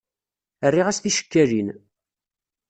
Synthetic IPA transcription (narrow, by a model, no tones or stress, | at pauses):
ərːiʁæsθiʃə̥kːæɾin